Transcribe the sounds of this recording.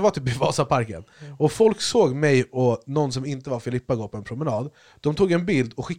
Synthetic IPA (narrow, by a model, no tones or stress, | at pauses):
vaʈ̪ʰypɪvɑːtapʰaɾkə̰nɔfɔlksoːɡmɛjɔnɔnːs̬ɔmɪnt̪əvaɾfɪlɪpːaɡoːɾpʰɔɛnpʰɾʊmɛnɑːd̪ | d̪̥ɔmt̪ʰuːɡɛnbɪld̪ɔɧɪkː